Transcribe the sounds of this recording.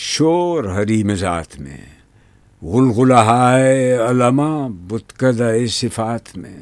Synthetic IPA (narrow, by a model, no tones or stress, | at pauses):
ʃoːɾɦɐɾiːmeza̰ːt̪mḛ̃ | ɣʊlɣʊlaɦaːeɐlɐmabʊt̪kɐd̪aesɪfaːt̪ʰmḛ̃